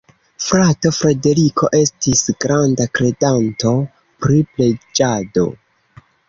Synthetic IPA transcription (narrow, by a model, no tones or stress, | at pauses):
fɾato̞fɾe̞de̞ɾikʰo̞ʔe̞stisɡɾandakɾe̞danto̞ | pɾiple̞d͡ʒado̞̰